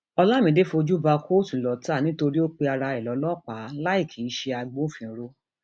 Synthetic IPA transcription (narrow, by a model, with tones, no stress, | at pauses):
ɔ˧la˦˨mĩ˧˦de˦fo˧d͡ʒu˦ba˧kʰo˦˨tu˨lɔ˨ta˦˨nĩ˦to˧ɾi˦o˦k͡pe˧a˧ɾa˧ɛ˨lɔ˨˦lɔ˦˨k͡pa˨˦la˦i˦˨kʰi˨i˦ʃe˧a˧ɡ͡bõ˦fĩ˨˦ɾo˧˦